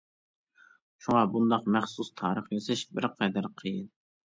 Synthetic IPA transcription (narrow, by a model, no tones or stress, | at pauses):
ʃuŋɑbund̪ɑqmɛχsust̪ʰɑːɾəχjøzɪʃbɪɾqʰɛd̪ɪɾqʰəjɨn